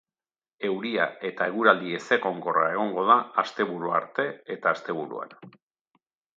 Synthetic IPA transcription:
e̞wɾiae̞t̪ae̞ɣuɾald̪ie̞se̞ko̞ŋko̞ra̰e̞ɣ̞o̞ŋɡo̞ð̞aːst̪e̞βuɾua̰ɾt̪e̞et̪aːst̪e̞βuɾṵa̰n

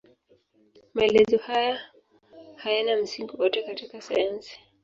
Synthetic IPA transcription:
maɛlɛzɔhaja | hajanam̩siŋɡuwɔtɛkatikasajansi̥

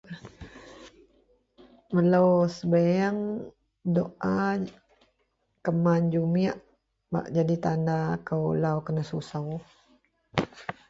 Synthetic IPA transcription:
mələwsəbajaŋ | doʔa | kəmand͡ʒumiaʔ | ba̰ʔd͡ʒadit̪andakəwlawkənəsusaw

